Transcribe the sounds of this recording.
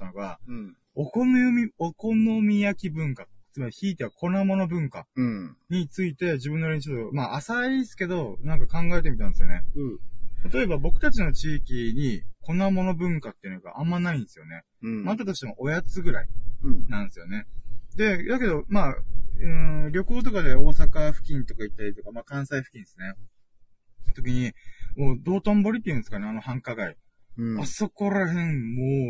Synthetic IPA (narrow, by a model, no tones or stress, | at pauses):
t̪ːanoɡa̰ | okomomʲioko̞nomʲijakʲibɯ̟̃ŋkat͡sɨmaɾʲiçiːt̪e̞βakʰo̞namo̞no̞bɯ̟̃ŋka̰ | ɲ̟it͡sɨit̪e̞ʑibɯ̟nːoɾeɲ̟it͡ɕot̪ːomaʔasaisɨ̥ke̞d̪o̞nãŋkakãŋɡae̞t̪̬emʲit̪ãnd̪esɨjo̞̰ne̞̰ | t̪at̪o̞e̞babo̞kɯ̟t̪at͡ɕino̞t͡ɕiːkʲiɲ̟ikʰo̞namo̞no̞bɯ̟̃ŋkat̪ːe̞iɯ̟no̞ɡa̰ʔãmːanaĩnd̪esɨjo̞ne̞ | mat̪ot̪oɕi̥t̪emoʔojat͡sɨɡɯ̟ɾainãnd̪esɨjo̞ne̞d̪e̞d̪ake̞d̪o̞maːɯ̃ɾʲo̞koːt̪̬o̞kad̪e̞o̞ːsakaɸɯ̟̥kʲĩnt̪o̞kait̪ːaɾʲit̪o̞kamaːkãɰ̃saiɸɯ̟kʲĩnd̪esɨne | t̪o̞kʲiɲ̟imoːd̪o̞ːt̪õmbo̞ɾʲit̪ːeiɯ̟nsɨ̥kaneano̞hãŋkaɡai | aso̞ko̞ɾahẽ̞ɴmo